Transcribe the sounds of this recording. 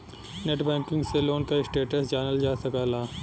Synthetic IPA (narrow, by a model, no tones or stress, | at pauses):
neːʈbɛ̃ːŋkɪ̃ŋɡseloːnkaɪsʈeːʈəsd͡ʒaːnəld͡ʒaːsɐkaːlaː